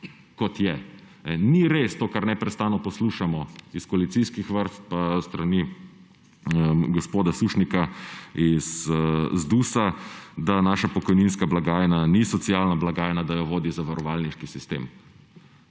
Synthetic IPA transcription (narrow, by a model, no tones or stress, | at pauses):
kɔt̪jɛ | ɛniɾest̪oːkaɾnɛpɾɛst̪aːnɔpɔsluːʃamɔiskɔalit̪siskixʋəɾst̪̚past̪ɾani | əɡɔspoːd̪asuʃnikaiszd̪uːsad̪anaːʃapɔkɔjninskablaɡaːjɛnanisɔt̪sialnablaɡaːjnad̪ajɔʋoːd̪izaʋaɾɔʋaːlniʃkisist̪ḛːm